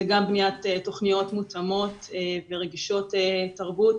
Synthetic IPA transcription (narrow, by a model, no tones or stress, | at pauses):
zeɡambnijatetːo̞χnijo̞tmut͡samo̞t̪veʁeɡiʃo̞tetaʁbut